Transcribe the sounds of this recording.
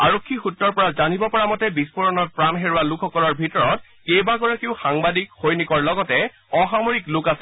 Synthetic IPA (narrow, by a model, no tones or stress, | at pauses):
aɹokʰːixutːɔɹpɔɹazanibɔpɔɹamɔtɛbispɔɹɔnɔt̚pɹanɦeɹʊwalukʰɔkɔɹɔɹbʱitɔɹɔt̚ | kejbaɡɔɹakiʊxaŋbadikxojnikɔɹlɔɡɔtɛ | ɔxamoɹiklʊkasɛ̥